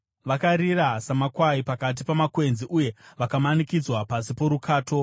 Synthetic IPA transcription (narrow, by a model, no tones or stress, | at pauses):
ʋakaɾirasamakwaipakat̬ipamakwe̞nziʔuje̞ʋakamanikid͡zwapasipoɾukʰaːtʰo̞